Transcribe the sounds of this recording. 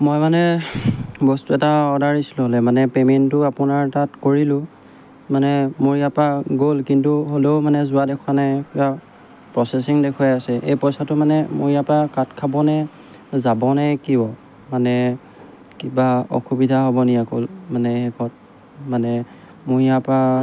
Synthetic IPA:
mojmanɛ | bɔstuɛtaɔdaɹisi̥lʊ̃ɦolɛmanɛpemɛntʊapʊnaɹtatkoɹilʊ̃ | manɛmoɹijapaɡolkintuɦoleʊmanɛzʊadɛkʰwanajkiba | pɹɔsɛsiŋdɛkʰwajasɛʔḛjpɔjsatʊmanɛmoɹijapakatkʰabɔnɛ | zabɔnɛkiɔ | manɛ | kibaɔ̰xubidʱaɦobɔnijako̰lmanɛxɛkʰɔt̚ | manɛ | muijapa

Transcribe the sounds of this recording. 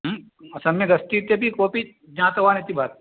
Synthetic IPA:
ɦ | ɐsɐmːẽɡɐst̪it̪ebikoːpi | d͡ʒããt̪ɐʋaːnet̪ibʱaːt̪

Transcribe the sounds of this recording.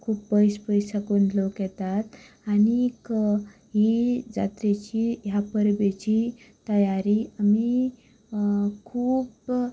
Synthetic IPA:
kʰuːpbəjspəjsakunlokjɛt̪at̪ | anik | ɦid͡za̰t̪ɾet͡ɕijapəɾbet͡ɕi | t̪əjaɾiami | kʰuːp

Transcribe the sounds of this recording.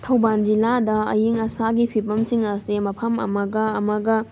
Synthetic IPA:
tʰɐwband͡ʒiladɐɐ̰jiŋɐsaɡipʰipɐmsiŋɐsemɐpʰɐmɐ̰mɐɡɐːmɐɡɐ

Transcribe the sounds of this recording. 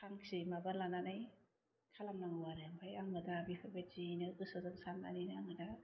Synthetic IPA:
kʰaŋsimabalananaj | kʰalaŋnaŋwaɾɯŋbʰajaŋɯdabipʰabad͡ʒinɯkɯsɯzɯŋsana̰ninɯaŋɯda

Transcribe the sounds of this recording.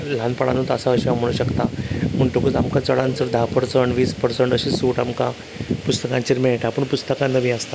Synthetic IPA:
l̤anpəɽa̰nut̪əsaəɕam̤əɭ̃uɕəkt̪aməɳʈokut͡samkat͡səɭãnt͡səɾd̪ʱapəɾsəɳɖʋiːspəɾsəɳʈəɕisuːʈamka̰ | pust̪əkãɲt͡ɕiɾmejeʈʰapəɳpust̪əkãnːəmiast̪a

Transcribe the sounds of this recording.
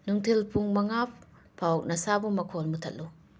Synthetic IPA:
nuŋtʰilpʰuŋmɐŋapːʰ | awk̚nɐsabumɐkʰolmutʰɐt̚lu

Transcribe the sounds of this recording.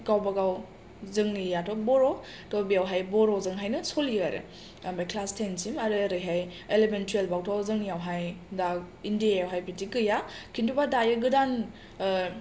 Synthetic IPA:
ɡawbaɡaw | zɯŋnijatʰobɔɾɔ | tobijawɦajbɔɾɔzɯŋɦajnɯsoliaɾɯ̰ | mbajkʰlastʰensimaɾɯɾɯjɦajelementielbawtʰɔzɯŋnijawɦajdaindiajawɦajbitiɡɯjakʰintʰubadajɯɡɯdan

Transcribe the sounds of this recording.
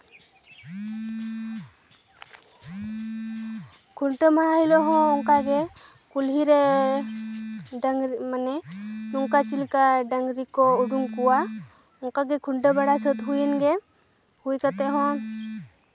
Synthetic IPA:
kʰuɳʈəmaaɦilɔɦɔ̃ɔŋkaɡɛ | kulɦiɾɛ | manɛnɔŋkat͡ʃilkaɖəŋɡɾikɔuɖuŋkuwa | ɔŋkaɡɛkʰuɳʈəbaɽasət̪ɦujinɡɛ | hujkat̪ɛɦɔ̃

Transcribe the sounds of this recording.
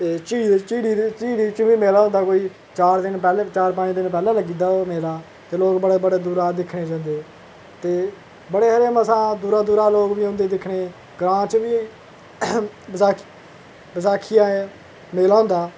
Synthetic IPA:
t̪eːt͡ʃiːt͡ʃiːɽiːt͡ʃiːɽiːt͡ʃəʋiːmeːlaːʊ̃nd̪aːkoːiː | t͡ʃaːɾd̪ɪnpɛːlːt͡ʃaːɾpãːd͡ʒd̪ɪnp̬ɛːlãːləɡiːd̪aːmeːlaː | t̪eːloːkbəɽeːbəɽeːd̪uːɾaːd̪ɪkʰɽeːd͡ʒãːnd̪eː | t̪eː | bəɽeːɦəɾeːməsãːd̪uːɾaːd̪uːɾaːloːkʋiːɦõːnd̪eːd̪ɪkʰɽeː | ɡɾãːt͡ʃʋiː | bəsaː | bəsaːkʰɪjãːeː | meːlaːɦʊ̃ːnd̪aː

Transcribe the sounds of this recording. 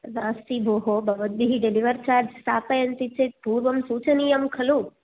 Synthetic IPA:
ʋãːst̪ibʱoːɦobɐʋət̪̚biɦiɖeliʋəɾt͡ʃaːɾd͡ʒsaːpɐjɐnt̪it͡ʃepuːɾʋəmsuːt͡ʃənijəmkʰɐlũ

